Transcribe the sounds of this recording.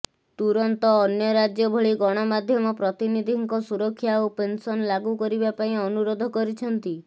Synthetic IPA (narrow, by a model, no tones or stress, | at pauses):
t̪uɾɔnt̪ɔːnjɔɾad͡ʒjɔbʱɔɭiɡɔɽ̃ɔmad̪ʱjɔmɔpɾɔt̪inid̪ʱiŋkɔsuɾɔkʰːjaopensɔnlaɡukɔɾibapaĩɔnuɾɔd̪ʱɔkɔɾit͡ʃʰɔnt̪i